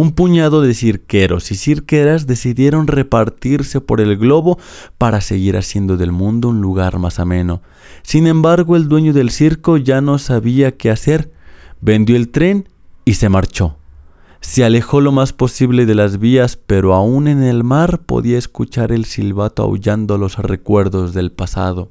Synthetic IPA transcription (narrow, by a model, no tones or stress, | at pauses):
umpuɲaðo̞ðe̞siɾke̞ɾo̞̰sisiɾke̞ɾazðe̞siðje̞ɾo̞nre̞paɾt̪iɾse̞po̞̰ɾe̞lɣlo̞βo̞paɾase̞ɣiɾa̰sje̞nd̪o̞ðe̞lmũnd̪o̞unluɣaɾmasamẽ̞no̞ | sinẽ̞mbaɾɣoe̞ld̪we̞ɲoðe̞lsiɾko̞ʝano̞saβiake̞ase̞ɾbe̞nd̪jo̞elt̪ɾe̞n | ise̞maɾt͡ʃo̞ | se̞ale̞xo̞lo̞maspo̞siβle̞ðe̞lazβiaspe̞ɾo̞aune̞nelmaɾpo̞̰ðiaeskut͡ʃaɾe̞lsilβat̪oa̰ṵʝand̪olo̞srḛkwe̞ɾðo̞zðe̞lpasa̰ðo̞